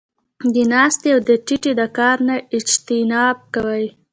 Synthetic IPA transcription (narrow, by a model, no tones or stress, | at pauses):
d̪ənɑst̪eawd̪əʈiʈed̪əkɑɾnaɪd͡ʒt̪ɪnɑb̚kawəj